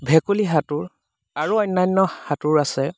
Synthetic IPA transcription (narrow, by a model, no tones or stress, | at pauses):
bʱɛkuliɦatuɹ | aɹuɔjnːajnːɔhatuɹasɛ